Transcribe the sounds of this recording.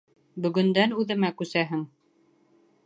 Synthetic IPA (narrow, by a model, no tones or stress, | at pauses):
bɵ̆ɡɵ̆nd̪ænʉðɘ̆mækʉsæɦɘŋ